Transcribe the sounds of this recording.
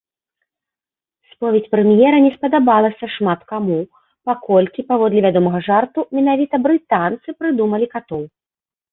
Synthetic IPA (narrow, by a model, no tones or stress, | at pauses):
spɔvʲet͡sʲpɾɛmjɛɾɐnʲɛspɐd̪abalˠɐsʲɐʂmat̪kamu | pakɔlʲkʲipavɔd̪lʲɛvʲad̪ɔmɐɣɐʐart̪umʲɛnavʲit̪ɐbɾɨt̪ant̪sɨpɾɨd̪umɐlʲikat̪ɔw